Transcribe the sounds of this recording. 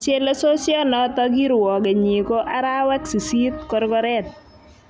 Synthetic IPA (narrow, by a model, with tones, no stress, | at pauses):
t͡ʃɛ˦lɔ˦so˦sjɔ˦nɔ˨tɔɡi˦ɾwɔ˨ɡɛ˨ɲi˨ko˦ʔa˦ɾa˦wɛ˦ksi˨si˦t̪̚kɔɾɡɔɾɛt̪̚